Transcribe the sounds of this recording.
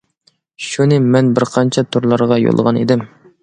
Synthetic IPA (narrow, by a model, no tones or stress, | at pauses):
ʃunɪmɛnbɪɾqʰɑnt͡ʃʰɛt̪ʰuɾlˠɑɾʁɑjo̰lˠʁɑnḛd̪ɪm